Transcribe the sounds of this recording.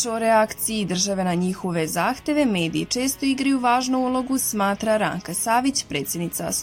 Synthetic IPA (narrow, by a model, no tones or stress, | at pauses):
oɾeakt̪siid̪r̩ʒaʋe̞naɲixo̞ʋe̞zaːxt̪e̞ʋe̞me̞ːd̪ḭit͡ʃe̞ːst̪o̞iɡɾajuʋaːʒnuulˠo̞ɡusmaːt̪ɾaɾa̰ːŋkasaːʋit͡ɕpɾe̞ːt̪sjed̪nit̪sa̰s